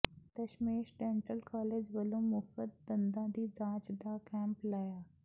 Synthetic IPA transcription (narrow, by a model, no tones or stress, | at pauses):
t̪əɕmeːʃɖẽːɳʈəlkaːleːd͡ʑʋəlũmʊfət̪̚bɐ̃nd̪ãd̪iːd͡zãːt͡ʃd̪akɛ̃ːmplaːjaː